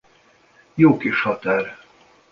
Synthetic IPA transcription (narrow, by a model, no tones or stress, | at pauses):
joːkeʃhɒt̪ɛr